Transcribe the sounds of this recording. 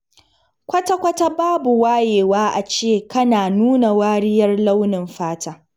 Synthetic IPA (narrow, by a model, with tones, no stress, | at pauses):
kʷɐ˦ta˦kʷɐ˦ta˦baː˦bu˨waː˦jeː˨waː˦ʔa˨t͡ʃeː˦˨kɐ˦naː˨nuː˦na˨waː˦ɽɪ˦jɐ˦rla˦wnɪ˨mɸaː˦taː˦